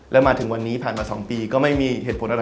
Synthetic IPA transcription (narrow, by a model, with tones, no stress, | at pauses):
lɛː˦˥wmaː˧t̪ʰɯ˩˦ŋwa˧nːiː˦˥pʰaː˨˩nmaː˧sɔ̰ː˩˦ŋpiː˧kɔː˥˩ma˥˩jmiː˧ɦeː˨˩t̪̚pʰnʔ